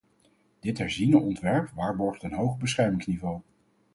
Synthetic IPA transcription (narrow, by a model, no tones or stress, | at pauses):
d̥ɪtɦɛɹzinəʔɔntʋɛɹpʋaːɹbɔɹχtənɦowχəbəsχɛɹmɪŋsnivow